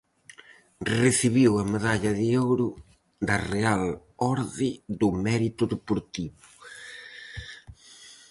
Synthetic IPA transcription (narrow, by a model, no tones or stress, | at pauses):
reθiβiwɐmeðaʎɐðɪowɾʊ | d̪ɐrealɔɾðɪðʊmɛɾit̪ʊðepoɾt̪iβʊ